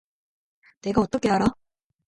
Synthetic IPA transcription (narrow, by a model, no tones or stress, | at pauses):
ne̞ɡaot͈ʌkʰe̞ɦaɾa